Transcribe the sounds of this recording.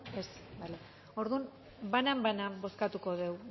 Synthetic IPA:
esbale | o̞ɾðun | banambanabo̞skat̪uko̞ðe̞w

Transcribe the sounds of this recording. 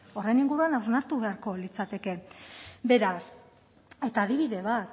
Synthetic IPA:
o̞rejniŋɡuɾuanawznaɾt̪uβe̞aɾko̞lit͡sat̪e̞ke̞be̞ɾas | e̞t̪aːðiβ̞iðe̞β̞at̪

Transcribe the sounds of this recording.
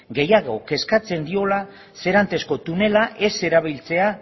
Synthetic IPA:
ɡe̞jaɣ̞o̞ke̞skat͡se̞nd̪io̞la | se̞ɾant̪e̞sko̞t̪une̞laʔe̞se̞ɾaβ̞ilt͡se̞a

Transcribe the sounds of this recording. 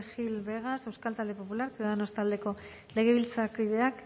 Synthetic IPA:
xilβe̞ɣase̞wskalt̪ald̪epo̞pulaɾkoðano̞st̪ald̪e̞ko̞ | le̞ɣ̞e̞β̞ilt͡sakiðe̞ak

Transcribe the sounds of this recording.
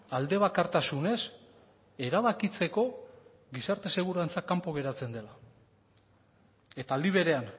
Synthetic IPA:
ald̪e̞β̞akaɾt̪asune̞s | e̞ɾaβakit͡se̞ko̞ | ɣisaɾt̪e̞se̞ɣuɾant͡sakampo̞ɣe̞ɾat͡se̞nd̪e̞la | e̞t̪aːld̪iβ̞e̞ɾe̞an

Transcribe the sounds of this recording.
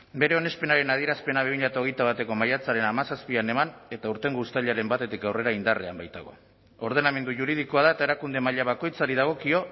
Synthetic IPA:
be̞ɾe̞o̞ne̞spe̞naɾe̞naðie̞ɾaspe̞naβeβiʎat̪ao̞ɣ̞ejt̪aβ̞at̪e̞ko̞majat͡saɾe̞namasaspiane̞mane̞t̪auɾt̪e̞ŋɡust̪aʎeaɾe̞mbat̪e̞t̪ikawre̞ɾaind̪are̞a̰mbajt̪a̰ɣ̞o̞̰ | o̞ɾð̞e̞name̞nd̪uʝuɾiðiko̞að̞aet̪ae̞ɾakund̪e̞maʎaβ̞ako̞jt͡saɾið̞aɣ̞o̞kio̞

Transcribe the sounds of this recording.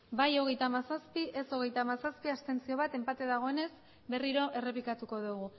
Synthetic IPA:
bajo̞ɣ̞e̞jt̪amasaspiʔe̞so̞ɣ̞e̞jt̪amasaspiast̪e̞nt͡sio̞β̞at̪e̞mpat̪e̞ðaɣ̞o̞e̞ne̞s | be̞riɾo̞ʔe̞re̞pikat̪uko̞ðuɣ̞u

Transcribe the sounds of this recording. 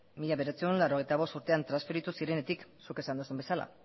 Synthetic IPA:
miʎaβe̞ɾet͡seunlaɾo̞ɣ̞ejt̪aβ̞o̞st̪uɾt̪eant̪ɾansfeɾit̪usiɾe̞ne̞t̪iksuke̞sand̪usumbesala̰

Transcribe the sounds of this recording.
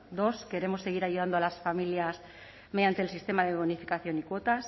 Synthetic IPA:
d̪o̞ske̞ɾe̞mo̞se̞ɣ̞iɾaʝuðand̪oalasfamiljas | me̞ðjant̪e̞lsist̪e̞maðeβonifikaθjo̞nikwo̞t̪as

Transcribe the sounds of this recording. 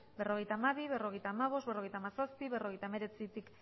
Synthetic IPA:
be̞ro̞ɣ̞e̞jt̪aːmaβiβe̞ro̞ɣejt̪aːmaβ̞o̞st̪be̞ro̞ɣejt̪amasaspiβe̞ro̞ɣ̞ejt̪aeme̞ɾe̞t͡sit̪ik

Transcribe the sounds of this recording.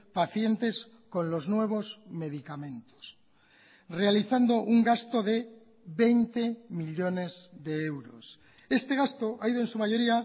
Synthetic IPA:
paθje̞nt̪e̞s | ko̞nlo̞znwe̞β̞o̞zme̞ð̞ikamẽ̞nt̪o̥s | realiθand̪o̞ʔuŋɡast̪o̞ðe̞ | βe̞jnt̪e̞miʎo̞ne̞zðe̞e̞wɾo̞̰s | e̞st̪e̞ɣ̞ast̪oʔaiðoensumaʝo̞ɾia

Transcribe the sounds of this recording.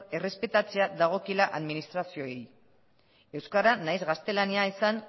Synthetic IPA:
e̞re̞spe̞t̪at͡seaðaɣ̞o̞kilaʔaðminist̪ɾasio̞ej | e̞wskaɾanajzɣast̪e̞laniaesan

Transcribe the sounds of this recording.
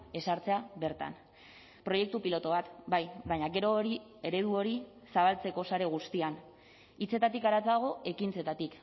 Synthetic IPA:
e̞saɾt͡se̞aβe̞ɾt̪a̰n | pɾo̞je̞k̚t̪upilo̞t̪o̞βat̪bajβajɲaɡe̞ɾo̞ːɾie̞ɾe̞ð̞uo̞ɾi | saβ̞alt͡se̞ko̞saɾe̞ɣ̞ust̪ian | it͡se̞t̪at̪ikaɾat͡saɣ̞o̞e̞kint͡se̞t̪at̪ik

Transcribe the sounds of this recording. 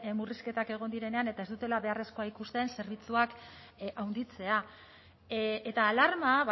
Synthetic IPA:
muriske̞t̪ake̞ɣ̞o̞nd̪iɾe̞ne̞ane̞t̪ae̞zd̪ut̪e̞laβe̞are̞sko̞aikust̪e̞nse̞ɾβ̞it͡suak | ʔawnd̪it͡se̞a | e̞t̪aːlaɾmaβ

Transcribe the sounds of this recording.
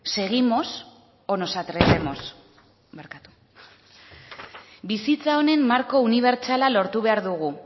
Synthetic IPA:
se̞ɣ̞imo̞s | o̞no̞sat̪ɾese̞mo̞s | meɾkat̪u̥ | bisit͡sao̞ne̞mːaɾko̞uniβ̞e̞ɾt͡ʃalalo̞ɾt̪uβe̞aɾðuɣ̞u

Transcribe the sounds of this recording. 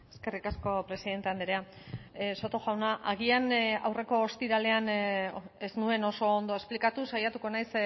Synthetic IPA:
e̞ske̞rikasko̞pɾe̞siðe̞nt̪e̞and̪eɾea | so̞t̪oʝawnaʔaɣ̞iana̰wre̞ko̞ːst̪iɾale̞an | eznue̞no̞so̞ːnd̪o̞e̞splikat̪usajat̪uko̞najs

